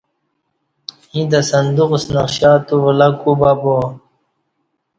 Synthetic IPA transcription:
hĩd̪asɐnd̪uqsnɐqɕaːt̪uvəlakubabo

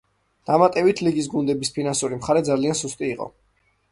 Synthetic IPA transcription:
d̪̥amat̪ʼɛbit̪ʰliɡis̬ɡund̪ɛbispʰinansuɾimχaɾɛd̪zaliansust̪ʼiːqʼɔ̰

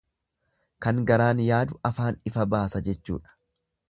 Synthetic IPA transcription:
kɐŋɡɐɾaːnjaːd̪ʊɐfaːnɪfɐbaːsɐd͡ʒɛt͡ʃːṵːᶑɐ̥

